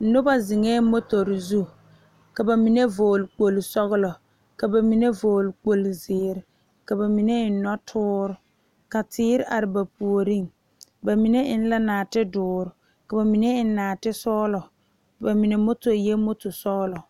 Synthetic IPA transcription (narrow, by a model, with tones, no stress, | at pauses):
nʊ˦ba˦zɪ˨ŋɛ˦mo˦to˨ɾzu˦ | ka˨ba˨mi˨ne˦vo˨lk͡po˨lsɔ˦ɣʊ˦lɔ˨ | ka˨ba˨mi˨ne˦vo˨lk͡po˨lzɪː˨ɾɪ˨ | ka˨ba˨mi˨ne˦ɪ˨˦nɔ˦tʰʊː˦ɾʊ˨ | ka˨tʰɪː˦ɾɪ˦ʔa˨ɾɪ˨ba˨pu˨o˨ɾi˦˨ŋ | ba˨mi˨ne˦ʔɪ˦n˦la˦naː˨tɪ˦dʊː˨ɾʊ˨ | ka˨ba˨mi˨ne˦ɪ˦naː˨tɪ˦sɔː˦lɔ˨ | ba˨mi˨ne˨˦mo˦to˨ɾjɛ˦mo˦to˨sɔ˦ɣlɔ˨